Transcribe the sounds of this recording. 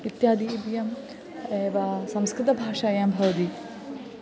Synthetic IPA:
it̪jaːd̪iːbjɐm | eːʋɐsɐmskɾɪt̪ɐbʱaːʂaːjaːmbʱɐʋɐt̪i

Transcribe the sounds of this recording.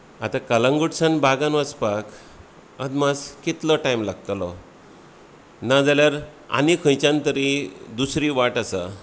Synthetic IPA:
at̪ãkalãŋɡuʈsãnbʱaɡãnʋəspak | əd̪maskit̪lɔʈajmlaɡ̚t̪lɔ | nad͡zaljaɾ | a̰nikʰə̃jt͡ɕãnt̪əɾid̪usɾiʋaʈasa

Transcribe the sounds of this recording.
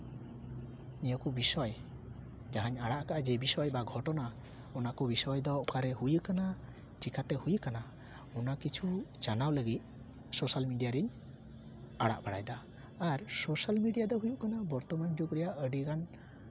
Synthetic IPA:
nijɔkɔbisɔj | d͡ʒaɦaɲaɽaʔkaʔad͡ʒɛbisɔjbaɡʱɔʈɔna | ɔnakɔbisɔjd̪ɔɔkaɾɛɦujəkana | t͡ʃikʰat̪ɛhujəkana | ɔnakit͡ʃʰut͡ʃanawləɡit̪̚ | sɔsalmiɖijaɾiɲ | aɽa̰ʔbaɽajd̪aː | ɾsɔsalmiɖijad̪ɔɦujuʔkanabɔɾt̪ɔmand͡ʒukɾɛjaʔəɖiɡan

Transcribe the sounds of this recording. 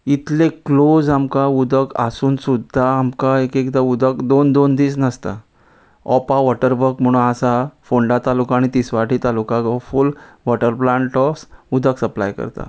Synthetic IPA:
it̪leklod͡zamkaud̪ʱəka̰suːnsud̪ʱːaːmkaekekd̪aud̪əkd̪ond̪ond̪iːsnəst̪a | ɔpaʋɔʈəɾbəɾkm̤əɽ̃ũnasafoɳɖat̪alukãːɽit̪isʋaʈiːt̪alukãɡaful | ʋɔʈəɾplãɳʈɔfsud̪ʱəksəpla̰jkə̰ɾt̪a̰

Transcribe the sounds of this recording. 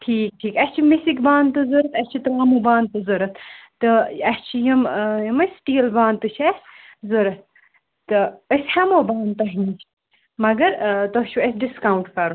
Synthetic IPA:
ʈʰiːk̚ʈʰiːkɐsʲt͡ʃʰimisikbaːnt̪ɨzɨɾɨt̪ʰɐsʲt͡ʃʰit̪ɾaːmobaːnt̪ɨzɨɾɨt̪ʰt̪ɨɐst͡ʃʰijɐmjiməsʈiːlbaːnt̪ɨt͡ʃʰɐsʲ | zɨɾɨt̪̚ʰ | t̪ɨəsʲhɐmoːbaːnt̪ɐɦnit͡ʃʰi̥ | mɐɡɐɾt̪ot͡ʃʰuɐsɖiskawɳʈkɐɾu

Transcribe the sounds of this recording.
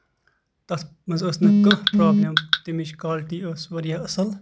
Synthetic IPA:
t̪ɐsmɐzosnɐkɐpɾaːbnʲɐt̪imit͡ʃkaːlʈiːosʋɐɾijaːɐsɐl

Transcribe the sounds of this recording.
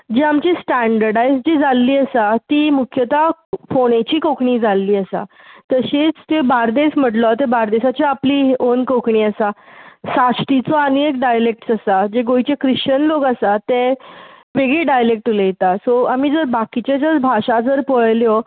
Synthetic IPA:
d͡ʑeamt͡ɕisʈæɳɖəɾɖajsd͡ʑid͡zalːiːəsat̪iːmukʰjət̪afoɽet͡ɕiːkokɳiːd͡zʱalːiːəsa̰ | t̪əɕit͡st̪ebaɾd̪esm̤əʈlɔt̪ebaɾd̪esat͡ɕiapliːonkokɳiːəsasasʈit͡sɔaniek̚ɖajlek̚ʈsasad͡ʑeɡojit͡ɕekɾiɕt͡ɕənlokasat̪e | ʋeɡɭeɖajlek̚ʈulejet̪asoamiːd͡zəɾbakit͡ɕad͡zəɾbʱaɕad͡zəɾpəɭljɔ

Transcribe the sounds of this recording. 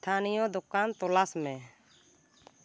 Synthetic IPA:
t̪ʰanijɔd̪ukant̪ɔlasmɛ̃

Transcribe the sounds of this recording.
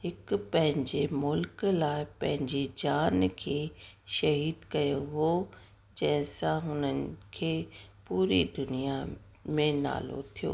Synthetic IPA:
hɪkpɐ̃ɦɪ̃ɲd͡ʑemʊlklaːɪpɐ̃ɦɪ̃ɲd͡ʑed͡ʑaːnkʰeːʃɐɦiːd̪kɐjoɦo | d͡ʑɐ̃ɦɪ̃sãɦʊnən̆kʰeːpuːɾid̪ʊnija | mẽna̰ːlo̰t̪ʰijo̰ː

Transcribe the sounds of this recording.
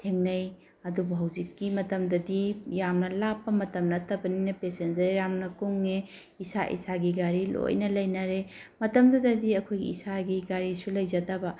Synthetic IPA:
tʰeŋnɐj | ɐdubɐɦɐwd͡ʒikːimɐtɐmdɐdijamnɐlapːɐmɐtɐmnɐtɐbɐninɐpesend͡ʒɐɾeɾamnɐkuŋːe | isa̰ʔḭsaɡiɡaɾilo̰jnɐlɐjnɐɾemɐtɐmdɐdɐdiɐkʰojɡḭisaɡiɡaɾisulɐjzɐdɐbɐ

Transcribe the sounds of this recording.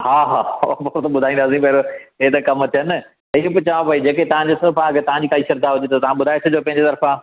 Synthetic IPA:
haːɦaːbɐkɾot̪ɐɓʊd̪ʱaːĩnd̪aːs̬ĩpɐɦɾoeːt̪ɐkɐmt̪ʰijən | t̪ɐibʊt͡ɕaʋãpɐid͡ʑeːket̪ɐʋ̤ãd͡ʑesɐfãket̪ɐʋ̤ãɲd͡ʑiːt̪aːiʃɐɾd̪aɦʊd͡ʑet̪ɐt̪ɐʋ̤ãɓʊd̪ʱaːet̪ʰʊd͡ʑoːpɐ̃ɦɪ̃ɲd͡ʑet̪ɐɾfã

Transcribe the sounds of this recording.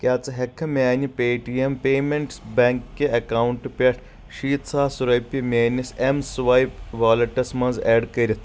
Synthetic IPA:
kʲaːt͡sɐɦekʰːɐmʲaːnipeːʈijempeːmeɳʈsbʲeːŋkːeɐkawuɳʈɨpʲɐʈʰ | ʃiːt̪saːsuɾɐjpːimʲaːnʲisemsʋɐjpʋaːlɐʈɐsmɐ̃nzɛːɖkɐɾʲɐt̪ʰ

